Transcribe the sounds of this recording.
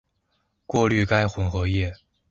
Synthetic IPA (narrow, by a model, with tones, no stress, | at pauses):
kwɔ˥˧ly˥˧ka˥ɪxwʊ˧˥ŋxɤ˧˥jɛ˥˩